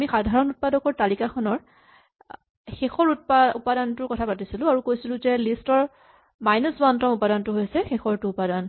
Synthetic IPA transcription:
amixadʱaɹɔnut̚padɔkɔɹtalikaxʰɔnɔɹ | xexɔɹut̚paupadantʊɹkɔtʰapatisilʊ̃aɹukojsilʊ̃zɛlistɔɹ | majnɔsbantɔmupadantʊɦojsɛxexɔɹtʊupadan

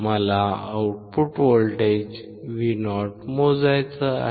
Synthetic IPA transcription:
məlaəwuʈ̚puʈʋolʈed͡ʑ | ʋinɔʈmod͡zajt͡səa̰

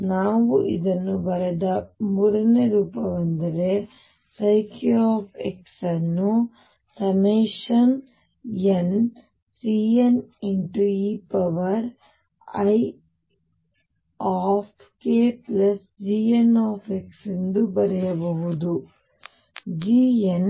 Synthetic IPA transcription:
naːʋuʔid̪ɐnːubɐɾɐd̪ɐmuːɽɐneɾuːpɐʋɐnd̪ɐɾe | sɐjkjaːpʰḛksɐnːu | sɐmeːʃɐn | ɐn | siːɐniɳʈuiːpɐʋɐɾ | ɐj | aːpʰ | keːplɐs | d͡ʒiːenaːpʰeksind̪ubɐɾɐjɐbɐɦud̪u | d͡ʒiːen

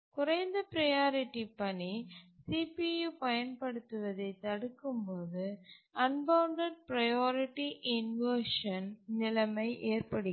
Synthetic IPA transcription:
kʊɾɐɪnd̪ɐpɪɾɐjaːɾɪʈːipɐɳisiːpijupɐjɐnpɐɽɯt̪ːɯʋɐðɐɪt̪ːɐɽɯkːɯmpoːðɯɐnbɐʊɳɖɐɖ̚pɾɐjaːɾɪʈːiʔɪnʋeːʂɐnnɪlɐmɐɪʔeːɾpɐɽɯ

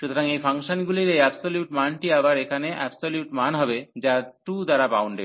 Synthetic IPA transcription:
ʃut̪ʰoɾaŋejfaŋʃonɡuliɾejabsoljuʈmanʈiabaɾekʰaneʔɛbsoljuʈmanɦɔbed͡ʑaʈud̪aɾabawɳɖe

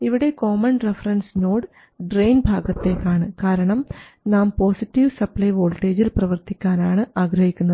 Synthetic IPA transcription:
iʋiɽe̞koːmɐnrefɐrɐnsno̞ːɽɨ | ɖrejnbʱaːɡɐt̪ːe̞kːaːɳɨkaːɾɐɳɐmnaːmpo̞ːsitːiʋsɐplɐjʋo̞ːlʈːe̞ːd͡ʑilprɐʋɐrt̪ikʲːaːnaːɳɨaːɡɾɐhikʲːunːɐðɨ

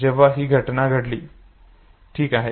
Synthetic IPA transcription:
d͡ʑeʋaɦiːɡʱəʈnaɡʱəɽliː | ʈʰiːkaɦe

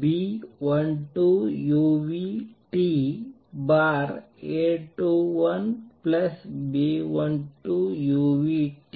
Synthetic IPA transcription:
biʋɐnʈujuʋiʈi | baɾ | eʈuʋɐnplɐsbiʋɐnʈujuʋiʈ

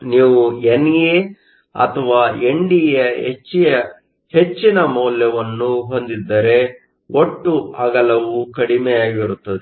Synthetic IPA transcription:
niːʋuenje | ɐ̰t̪ʰɐʋaːe̞ɳɖijɐɦḛt͡ʃːijɐ | he̞t͡ʃːinɐmɔːljɐʋɐnːuɦo̞nd̪id̪ːɐɾe̞ | o̞ʈːuɐɡɐlɐʋukɐɽimeaːɡiɾut̪ːɐd̪e

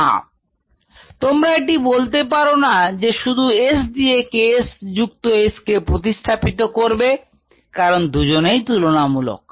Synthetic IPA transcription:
a̰ | t̪omɾaeʈibolt̪epaɾonad͡ʑeʃud̪ʱuesd̪iekesd͡ʑukt̪oeskepɾot̪̬iʃt̪ʰapit̪okoɾbe | kaɾond̪ud͡ʑonejt̪ulonamulo̰k̚

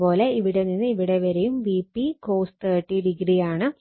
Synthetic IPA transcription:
po̞ːle̞iʋiɽeninːɨiʋiɽeʋɐɾejumʋipːikoːst̪ɐːʈːiɽiɡrijaːɳɨ

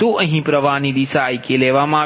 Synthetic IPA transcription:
ũəɦĩpɾəʋanid̪isajkeleʋamãː

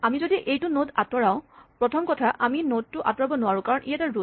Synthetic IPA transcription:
amizodiʔejtʊnodatɔɹaʊ̃pɹɔtʰɔmkɔtʰaʔaminod̚tʊʔa̰tɔɹabɔnʊwaɹʊ̃kaɹɔnʔijataɹo

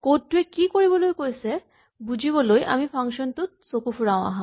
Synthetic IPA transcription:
koʈʈːuekikoɾibolojkojsʰe | bud͡ʑʱibolojʔa̰mifʰaŋʃont̪ut̪sokufuɾaõa̰ɦã

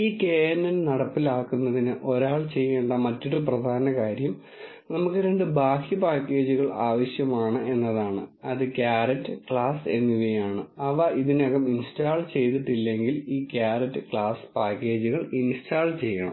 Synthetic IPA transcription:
iːkeːɐnːɐnnɐɽɐpːilaːkːunːɐðinɨʔo̞ɾaːɭt͡ɕe̞jːeːɳɖɐmɐtːoɽɨprɐd̪ʱaːnɐkaːɾjɐm | nɐmukːɨɾe̞ɳɖɨbʱaːhjɐpaːkːe̞ːd͡ʑuɣɐɭaːʋɐɕjɐmaːɳɨe̞nːɐðaːɳɨ̰ɐðɨkjaːɾɐtːɨkɭaːse̞nːuɣɐjaːɳɨɐʋɐiðineɣɐminstaːɭt͡ɕe̞jt̪iʈːilːe̞ŋɡiliːkaːɾɐtːɨkɭaːspaːkːe̞ːd͡ʑuɣɐɭinstaːɭt͡ɕe̞jːɐɳɐ̰m

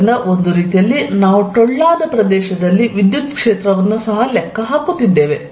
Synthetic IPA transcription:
nd̪ɐʔo̞nd̪uɾiːt̪ijɐlːinaːʋuʈɔɭːaːd̪ɐpɾɐd̪ɛːʃɐd̪ɐlːiʋid̪jut̪kʂeːt̪ɾɐʋɐnːusɐɦɐlɛkːɐɦaːkut̪ːid̪ːe̞ːʋe̞

